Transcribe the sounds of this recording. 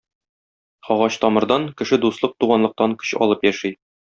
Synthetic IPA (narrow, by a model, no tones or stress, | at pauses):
ɒʁɑɕt̪ɒmɤ̆ɾd̪ɑŋkɘ̆ʃɘd̪uslˠɤq̚t̪uʁɑnlˠɤ̆q̚t̪ɑŋkɵ̥ɕɒ̰lˠɤpjæʃij